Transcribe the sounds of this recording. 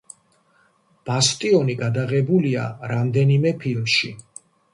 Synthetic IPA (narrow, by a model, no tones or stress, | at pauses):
b̥ast̪ʼiɔniɡad̪aʁɛbulia̰ɾamd̪ɛnimɛpʰilmʃi